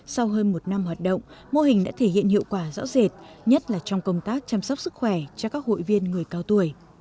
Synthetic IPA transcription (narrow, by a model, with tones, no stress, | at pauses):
sa˧wɦəː˧nmo˨˩t̚na˧mhwaː˨˩t̚ɗə̰˧˨wŋ͡m | mo˧ɦï˨˩ŋ̟ɗa̰ː˧˥t̪ʰe˧˩hḭ˧˨ənhḭ˧˨əwkwaː˧˩zɔ̰ː˧˥ze˨˩t̚ɲə˦˥t̚laː˨˩t͡ɕɔ˧wŋ͡mkə˧wŋ͡mt̪aː˦˥k̚t͡ɕa˧msa˦˥wk͡p̚sɨ˦˥k̚xwɛ˧˩t͡ɕɔ˧kaː˦˥k̚ho̰˧˨jvi˧ənŋɨ˨˩əjkaː˧wt̪u˧˩əj